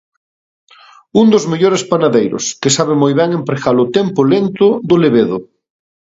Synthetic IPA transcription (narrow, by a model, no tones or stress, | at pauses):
und̪ozmeʎoɾespanaðejɾʊ̰skɪsaβ̞ɪmojβɛŋempɾeɣalʊt̪ɛmpʊlent̪ʊðʊleβeðʊ